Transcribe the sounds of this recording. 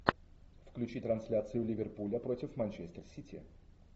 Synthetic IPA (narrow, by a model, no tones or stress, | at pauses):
fklʲʉt͡ɕit̪ɾɐnsʲlʲat̪sɨjʊlʲɪvʲɪrpulʲəpɾotʲɪfmanʲt͡ɕesʲt̪ərsʲitʲɪ̰